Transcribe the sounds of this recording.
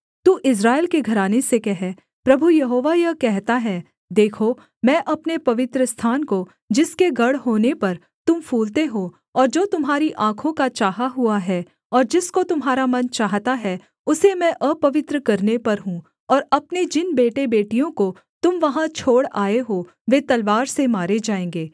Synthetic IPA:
t̪uːʔɪs̬ɾaːelkeɡʱɐɾaːnesekɛɦɛ | pɾɐbʱujɐɦoːʋajɐkɛɦt̪aɦɛː | d̪eːkʰo | mɛ̃ːʔɐpnepɐʋɪt̪ɾəst̪ʰaːnko | d͡ʒɪskeɡɐɽɦoːnepɐɾ | t̪ʊmfʰuːlt̪eɦoː | ɔːɾd͡ʒoːt̪ʊmɦaːɾiʔãːkʰõkat͡ʃaːɦaɦuaɦɛː | ɔːɾd͡ʒɪskot̪ʊmɦaːɾamɐnt͡ʃaːɦt̪aɦɛ | ʊsemɛ̃ʔəpɐʋɪt̪ɾəkɐɾnepɐɾɦũː | ɔːɾɐpned͡ʒɪnbeːʈebeːʈijõko | t̪ʊmʋɐɦãt͡ʃʰoːɽaːeɦoː | ʋeːt̪ɐlʋaːɾsemaːɾed͡ʒaːẽːŋɡeː

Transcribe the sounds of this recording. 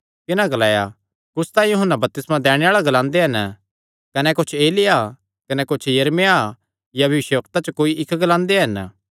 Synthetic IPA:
kɪnãɡɐlaːja | kʊst̪ãːĩjuɦənːabɐp̚t̪ɪsmãd̪ɛːɽ̃eaːɭaɡɐlãːnd̪eɦɐn | kɐnɛkʊt͡ʃʰeːlɪja | kɐnɛkʊt͡ʃʰjɐɾmeja | jabʱɐʋɪʃjəʋɐk̚t̪at͡ʃɐkoːiʔɪkʰːɡɐlãːnd̪eɦɐn

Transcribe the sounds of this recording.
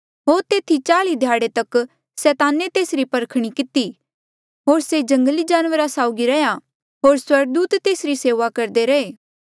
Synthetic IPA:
ɦoːɾt̪eːt̪ʰit͡ʃaːlid̪ʱjaːɽet̪ɐk | sɛːt̪aːnet̪eːsɾipɐɾkʰɽ̃ikɪt̪i | ɦoːɾsed͡ʒɐ̃ŋɡəlid͡ʒaːnʋəɾasaːʊɡiɾɐja | ɦoːɾswɐɾɡ̚d̪uːt̪ːeːsɾiseːʋakɐɾd̪eɾɐeː

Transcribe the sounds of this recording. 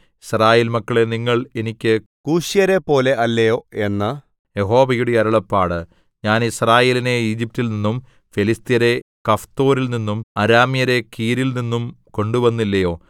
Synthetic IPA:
israːjeːlmɐkːɐɭe̞niŋːɐɭe̞nikʲːɨ | kuːʂijɐɾe̞pːo̞ːle̞ʔɐlːɐjo̞ːe̞nːɐ | jeɦo̞ːbɐjuɽeɐɾɐɭɐpːaːɽɨ | ɲaːnisraːje̞ːline̞iːd͡ʑip̚tːilninːum | felist̪ijɐɾe̞kɐft̪o̞ːɾilninːumɐɾaːmijɐɾe̞kiːɾilninːumko̞ɳɖuʋɐnːilːɐjo̞ː

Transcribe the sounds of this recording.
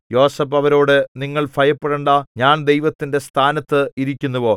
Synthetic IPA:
jo̞ːsɐpːɐʋɐɾo̞ːɽɨniŋːɐɭfɐjɐpːeɽeɳɖaːɲaːnd̪e̞jʋɐt̪ːinde̞st̪ʰaːnɐt̪ːɨiɾikʲːunːuʋo̞ː

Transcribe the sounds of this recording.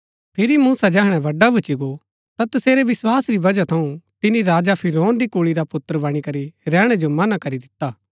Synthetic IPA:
pʰɪɾimũːsad͡ʒɛːɦɽ̃ɛ̃ʋɐɖːabʱɐt͡ʃiɡo | t̪at̪ɐseːɾeʋɪswaːsɾibɐd͡ʒat̪ʰɐũt̪ɪnĩɾaːd͡ʒapʰɪɾoːnd̪ikuɭiɾapʊt̪ːəɾəbɐɽ̃ikɐɾiɾɛːɽ̃ed͡ʒomɐnakɐɾid̪ɪt̪ːaː

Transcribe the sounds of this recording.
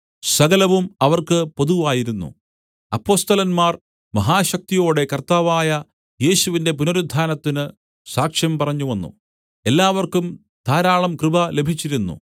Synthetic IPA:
sɐɣɐlɐʋumɐʋɐrkɨpo̞ðuʋaːjiɾunːṵ | ɐpːo̞ːst̪ɐlɐnmaːr | mɐɦaːɕɐk̚t̪ijo̞ːɽe̞kɐrt̪aːʋaːjɐ | je̞ːɕuʋinde̞punoɾud̪ʱːaːnɐt̪ːinɨ | saːkʂjɐmpɐrɐɲːuʋɐnːṵ | e̞lːaːʋɐrkum | d̪ʰʱaːɾaːɭɐmkrɨbʱɐle̞bʱit͡ɕːiɾunːṵ

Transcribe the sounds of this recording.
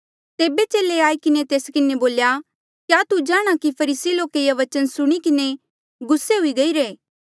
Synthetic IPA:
t̪eːbet͡ʃeːleaːikɪnet̪eːskɪneboːlja | kjaːt̪ud͡ʒaːɽ̃akipʰɐɾiːsiloːkejaʋɐt͡ʃənsʊɽ̃ikɪne | ɡʊsːeɦʊiɡɐiːɾeː

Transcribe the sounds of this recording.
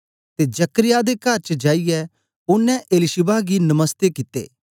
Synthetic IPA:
t̪ed͡ʒɐkəɾɪjad̪ekɐɾt͡ʃəd͡ʒaːijɛ | ʊnːɛ̃ʔeːlɪʃɪbaɡinɐməst̪ekɪt̪ḛː

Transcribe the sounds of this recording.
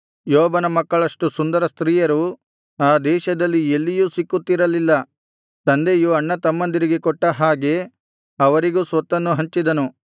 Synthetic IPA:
jɔːbɐnɐmɐkːɐɭɐʂʈusund̪ɐɾɐst̪ɾiːjɐɾu | aːd̪ɛːʃɐd̪ɐlːielːijusikːut̪ːiɾɐlilːɐ | t̪ɐnd̪ejuɐɳːɐt̪ɐmːɐnd̪iɾiɡekɔʈːɐɦaːɡe̞ | ɐʋɐɾiɡuːsʋɐt̪ːɐnːuɦɐɲt͡ʃid̪ɐnu

